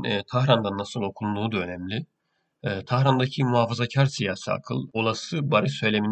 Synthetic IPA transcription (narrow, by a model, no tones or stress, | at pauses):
t̪ʰaxɾand̪anːasɯlˠo̞kʰulˠd̪uːd̪aø̞nɛmlʲi | ɛːt̪ʰahɾand̪acʰimuɦafazacʰaɾsijaːsia̰kʰɯ̰lˠo̞lˠasɯbaɾɯsø̞jlʲe̞min